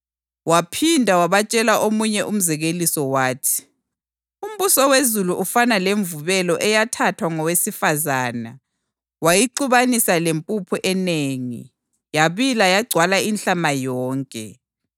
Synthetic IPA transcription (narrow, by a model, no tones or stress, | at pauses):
wapʰindʱawaβat͡ʃʼɛlaʔomuɲɛʔum̩zɛɣelisɔwaːtʰi̥ | um̩βusɔwezuluʔufanaleɱvuβɛlɔʔɛjatʰatʰwaŋɔwesifazaːna | wajiǃuβanisalempʼupʰuʔɛneːŋḭ | jaβilajaɡ͡ǀʱwalainɬamajɔːŋkʼɛ̰